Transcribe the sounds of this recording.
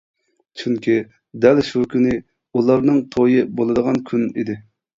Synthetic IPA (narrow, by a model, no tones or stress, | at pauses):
t͡ʃʰyŋkʲʰi | d̪ɛlʃukʲʰynɪ | ulˠɑɾnɨŋt̪ʰojɨbolˠɨd̪əʁɑnkʲʰynḭd̪ɪ